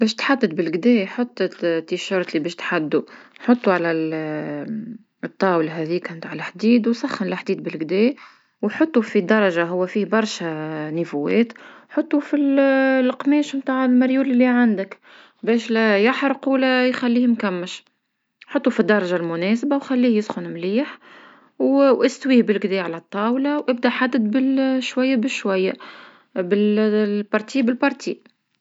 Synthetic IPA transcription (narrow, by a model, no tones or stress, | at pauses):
bɛːʃt̪ħad̪ːəd̪bɪlɡd̪ɛːħot̪ˤːt̪ːiʃɑɾˤt̪libɛːʃt̪ħad̪ːuħot̪ˤːuʕalæl | ɨt̪ˤːɑːwlɦɛðiːkmt̪aʕlħd̪iːd̪wsˤɑxːənlɪħd̪iːd̪̚bɪlɡd̪ɛː | wħʊt̪ˤːufid̪ɑɾˤɑʒaɦʊwːæfiːhbɑɾˤʃænəfuwːɛ̰ːt̪ħʊt̪ˤːufillqmɛːʃmt̪aːʕɪlmɑɾjuːlɪlːiʕand̪ək | bɛːʃlæjaħɾˤquːlæjxælːiːhmkæmːəʃ | ħɑt̪ˤːufid̪ːɑɾˤɑʒalmʊnɛːsbawxælːiːhjɪsxʊnmliːħ | wʔɪst̪wiːhbɪlɡd̪ɛːʕalæt̪ˤːɑːwlɑwʔɪb̚d̪æħad̪ːəd̪bɪlʃwæjːabɪʃwæjːa | bɪlbɑɾˤt̪iːbɪlbɑɾˤt̪ḭːʔ